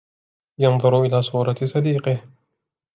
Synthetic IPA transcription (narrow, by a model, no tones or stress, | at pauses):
jɑnðˤʊɾʊʔɪlaːsˤuːɾˤɑt̪sˤɑd̪iːqɪh